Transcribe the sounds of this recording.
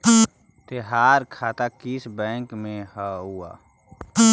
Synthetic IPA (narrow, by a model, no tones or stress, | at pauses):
t̪eɦaːɾkʰaːt̪akɪsbɛ̃ːŋkmẽhaɦua̰ː